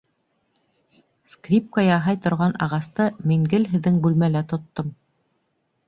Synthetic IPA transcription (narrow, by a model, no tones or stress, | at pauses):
skrʲip̚kajɑɦɑjt̪ŏɾʁɑnɑ̰ʁɑst̪ɤmiŋɡɘlɦɘ̆ðːɘŋbʉlmælæt̪ŏt̪ːom